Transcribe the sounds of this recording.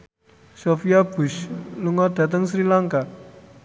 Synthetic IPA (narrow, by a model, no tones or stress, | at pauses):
sofiab̥ṳʃluŋɔd̪̥ä̤t̪əŋsɾilaŋka